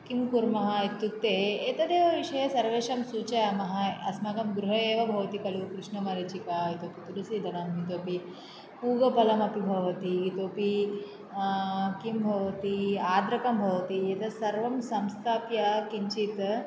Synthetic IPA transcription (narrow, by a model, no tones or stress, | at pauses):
kimkuɾmɐɦɐit̪ːuk̚t̪eeːt̪ɐd̪eːʋɐʋiʂɐjɐsɐɾʋeːʂɐmsuːt͡ʃɐjamɐɦɐɐsmaːkɐmɡɾuɦɐeːʋɐbʱɐʋɐt̪ikɐlukɾuʂɳɐmɐɾet͡ʃikait̪oːpit̪uɾusid̪ʱɐnɐmɦit̪oːpi | puːɡɐpɐlɐmɐpibʱɐʋɐt̪iːt̪oːpi | kimbʱɐʋɐt̪iaːd̪ɾɐkɐmbʱɐʋɐt̪iet̪ɐsɐɾʋɐmsɐmst̪ʰaːpjɐkiɲt͡ʃit̪